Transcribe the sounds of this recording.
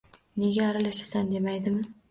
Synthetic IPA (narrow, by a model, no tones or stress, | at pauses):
ne̞ɡʲaːɾalaʃasand̪e̞majd̪ɪmɪ